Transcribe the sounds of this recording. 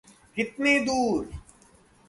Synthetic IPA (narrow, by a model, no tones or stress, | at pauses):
kɪt̪neːd̪uːɾ